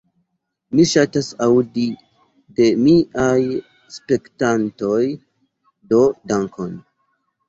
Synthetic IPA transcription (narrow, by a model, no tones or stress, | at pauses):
miʃatasaudi | de̞miʔaj | spe̞ktanto̞j | do̞daŋkʰon